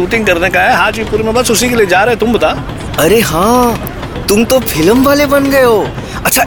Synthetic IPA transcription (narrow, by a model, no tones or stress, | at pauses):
uːt̪ɪ̃ŋɡkɐɾnekaɦɛɦaːd͡ʒipuːɾemẽbasʊsikelied͡ʒaːɾeɦẽt̪ʊmbɐt̪a | ɐɾeɦãː | t̪ʊmt̪ofʰɪləmʋaːlebɐnɡɐjoː | ɐtːʃʰa